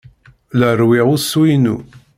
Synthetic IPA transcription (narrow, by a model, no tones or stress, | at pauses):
lərwiʁʊswinṵ